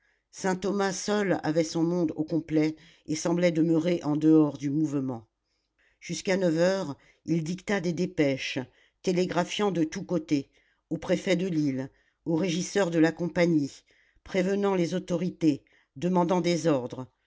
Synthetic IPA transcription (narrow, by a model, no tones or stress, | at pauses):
sɛ̃t̪ɔmasɔla̰vɛsɔ̃mɔ̃d̪okɔ̃plɛ | esɑ̃blɛd̪əmøʁeʔɑ̃d̪əɔʁd̪ymuvmɑ̃ | ʒ̥yskanœvœʁ | ild̪ikt̪ad̪ed̪epɛʃ | t̪eleɡʁafjɑ̃d̪ət̪ukot̪e | opχefɛd̪əlil | oʁeʒisœʁd̪əlakɔ̃paɲi | pχevənɑ̃lezot̪ɔʁit̪e | d̪əmɑ̃d̪ɑ̃d̪ezɔʁd̪ʁ